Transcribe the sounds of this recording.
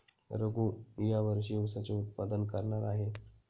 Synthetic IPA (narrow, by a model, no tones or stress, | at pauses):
ɾəɡũːjaʋəɾɕiːʋsat͡ɕeut̪̚pad̪ənkəɾɳaɾaɦe